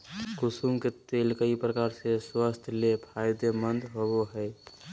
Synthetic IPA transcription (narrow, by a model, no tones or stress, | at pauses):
kʊsumket̪eːlkəipɾəkaːɾseswəst̪ʰlepʰaːjd̪emənd̪ɦoboɦɛ